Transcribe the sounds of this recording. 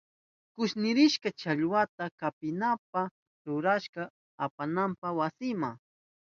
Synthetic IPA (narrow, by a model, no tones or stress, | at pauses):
kʊʃnɪɾɪʃkat͡ʃaʎwat̪akapɪnap̚a | ɾʊɾaʃka | apanampawasɪmaŋ